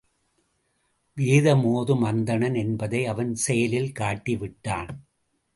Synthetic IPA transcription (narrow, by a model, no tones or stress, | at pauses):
ʋiːðɐmoːðɯmɐnd̪ɐɳɐnɛnbɐðɐɪɐʋɐnsɛjɐlɪlkaːʈːiʋɪʈːa̰ːn